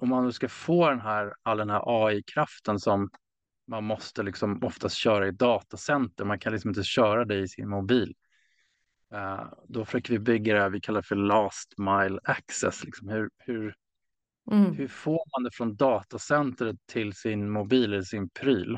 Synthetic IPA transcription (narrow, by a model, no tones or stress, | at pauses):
ɔmːanːɵskafoːd̪ɛnɦæːɾald̪ɛnɦæ̰ɾʔɑːɪkʰɾaft̪ənsɔmː | anmɔst̪əlɪksɔmɔft̪ʰast̪ɕœːɾaɪd̪ɑːt̪asɛnt̪əɾmankʰanlɪksɔmɪnt̪əɕœːɾad̪ɛɪsɪ̰nmʊbiːl | d̪ɔfœ̥ʂøːkəɾvɪbʏɡːad̪ɛævɪkʰalːaɾɛfœlɑːst̪majlaksɛ̰slɪksɔmhɵɾhɵɾ | hɵfoːɾmand̪ɛfɾɔnd̪ɑːt̪asɛnt̪ɾət̪ʰːɪlsɪnmʊbiːlɛlsɪnpʰɾiːl